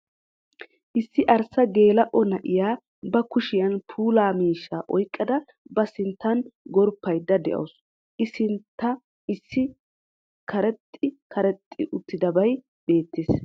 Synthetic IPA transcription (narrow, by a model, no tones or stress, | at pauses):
ʔɪsːɪʔɐɾsːɐɡe̞ːlɐʔɔnɐʔɪjaː | bɐkʊʃɪjɐnpʰuːlaːmiːʃːaːʔɔjkʼːɐd̪ɐ | bɐsɪnt̪ːɐnɡɔɾpːɐjd̪ːɐd̪ɛ̰ʔɐ̰ws | ʔɪsɪnt̪ːɐ | ɪsːɪ | kʰɐɾɛt̪ʼːɪkʰɐɾɛt̪ʼːɪ̰ʔʊt̪ːɪd̪ɐbɐj | be̞ːt̪ːeːs